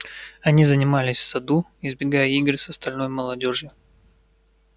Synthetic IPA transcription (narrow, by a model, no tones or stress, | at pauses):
ɐnʲizənʲɪmalʲɪsʲfsɐd̪uɪzbʲɪɡajəiɡrsɐst̪ɐlʲno̞jməlˠɐdʲo̞ʐjʊ